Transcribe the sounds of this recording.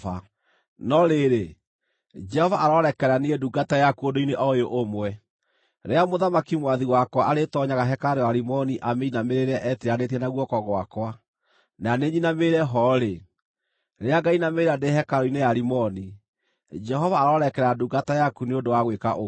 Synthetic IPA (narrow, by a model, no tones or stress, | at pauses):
a | nɔɾeɾe | d͡ʒɛhɔvaʔaɾɔɾɛkɛɾaniɣɛduɡatajakuodoineʔɔjoʔomwɛ | ɾeamoðamakimwaðiwakwaʔaɾetɔɲaɣaɦɛkaɾewaɾimɔniʔameinameɾeɾɛʔɛtiɾanet̬ɛnaɣwɔkɔɣwakwa | naneɲinameɾɛɦɔɾe | ɾeaɡainameɾadehɛkaɾoinejaɾimɔni | d͡ʒɛɦɔvaːɾɔɾɛkɛɾaduɡatajakuneodowaɣwekaʔo